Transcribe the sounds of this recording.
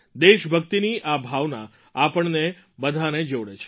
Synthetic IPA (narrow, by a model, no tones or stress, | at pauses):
d̪eʃbʱəkt̪iniʔabʱaʋna | apəɳne | bəd̪ʱaned͡ʒoɽet͡ʃʰe̥